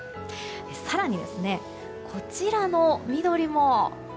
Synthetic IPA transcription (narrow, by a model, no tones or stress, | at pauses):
d̪esaɾaɲ̟id̪e̞sɨne̞ | kʰo̞t͡ɕiɾano̞mʲid̪o̞ɾʲimo̞